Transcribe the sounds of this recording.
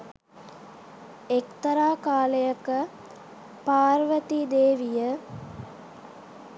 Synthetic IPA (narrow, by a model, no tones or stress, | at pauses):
ekt̪əɾaːkaːləjəkə | paːɾʋət̪id̪eːʋijə